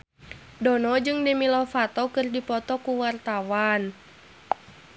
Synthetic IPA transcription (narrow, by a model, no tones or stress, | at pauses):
dɔnɔd͡ʒɨŋdɛmilɔfat̪ɔkɨrdipɔt̪ɔkuwart̪awan